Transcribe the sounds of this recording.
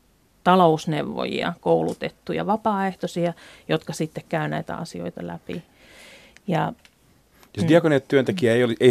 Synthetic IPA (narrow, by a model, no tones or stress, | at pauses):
t̪ɑlousneʋːo̰jḭɑ̰koulut̪et̪ːujɑ̰ʋɑpɑːeht̪osiɑjot̪kɑsit̪ːekkæynæit̪æ̰ɑ̰sio̰it̪ɑlæpḭ | jɑ | josd̪iɑkoneet̪t̪ːyønt̪ekiæeioliʔei